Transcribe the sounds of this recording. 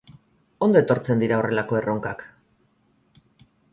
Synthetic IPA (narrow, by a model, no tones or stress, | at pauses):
o̞nd̪o̞e̞t̪o̞ɾt͡se̞nd̪iɾaore̞lako̞e̞rʔo̞ŋkak